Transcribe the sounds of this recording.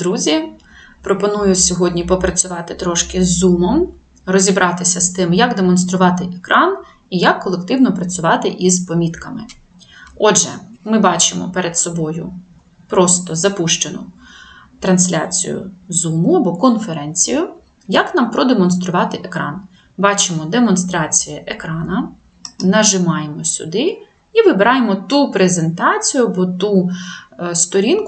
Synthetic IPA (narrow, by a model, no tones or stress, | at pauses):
d̪ɾuzʲi | pɾɔpɔnujʊsʲɔɦɔdʲnʲipɔpɾɐt͡sʲʊʋɑt̪ɪt̪ɾɔʃkɪzːumɔm | rɔzʲibɾʔɑt̪ɪsʲɐst̪ɪmjɐɡd̪emɔnst̪ɾʊʋɑt̪ɪʔekɾʔɑn | ijɐkːɔlˠekt̪ɪwnɔpɾɐt͡sʲʊʋɑt̪ɪʔizpɔmʲit̪kɐmɪ | ɔdʒɛ̰mɪbɑt͡ʃɪmɔ̰peɾʔed̪sɔbɔjʊ̰ | pɾɔst̪ɔzɐpuʃt͡ʃenʊ̰ | t̪ɾɐnsʲlʲa̰t͡sʲḭjʊ̰zumʊɐbɔkɔnfeɾɛnʲt͡sʲijʊ | jɐknɑmpɾɔd̪emɔnst̪ɾʊʋɑt̪ɪʔekɾɑ̰n | bɑt͡ʃɪmɔd̪emɔnst̪ɾɑt͡sʲijɐʔekɾɑnɐ | nɐʒɪmɑjemɔsʲʊ̰d̪ɪ | iʋɪbeɾɑjemɔt̪upɾeze̞nt̪ɑt͡sʲijʊɐbɔt̪u | st̪ɔɾʲink